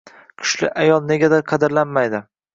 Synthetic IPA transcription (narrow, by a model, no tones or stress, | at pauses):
kʲʰʊ̥ʃlɪ̰ʔajɒlˠne̞ɡʲad̪aqʰɑd̪ɪɾlanmajd̪ɪ